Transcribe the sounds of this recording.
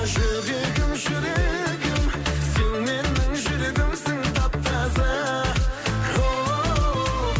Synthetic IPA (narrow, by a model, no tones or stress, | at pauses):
ʒɵɾeɡɪmʒʏɾeɡɪmsenme̞ɾnɪŋʒʏɾeɡɪmsɪŋt̪ʰɑp̚t̪ːɑzɑ | o